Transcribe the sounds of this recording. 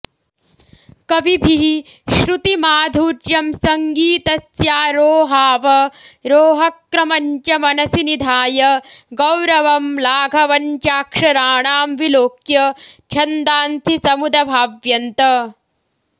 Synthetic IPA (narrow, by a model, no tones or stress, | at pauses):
kɐʋibʱiɦiʃɾut̪imaːd̪ʱuːʈjɐmsɐŋɡiːt̪ɐsjaːɾoːɦaːʋɐɾoːɦɐkɾɐmɐɲt͡ʃɐmɐnɐsinid̪ʱaːjɐɡɐwɾɐʋɐmlaːɡʱɐʋɐɲt͡ʃaːkʂɐɾaːɳaːmʋiloːkjɐt͡ʃʰɐnd̪aːnt̪ʰisɐmud̪ɐbʱaːʋjɐnt̪ɐ